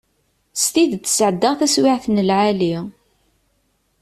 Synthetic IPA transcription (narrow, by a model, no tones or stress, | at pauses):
st̪iðə̥sʕəd̪ːaʁθæswɪʕθnəlʕali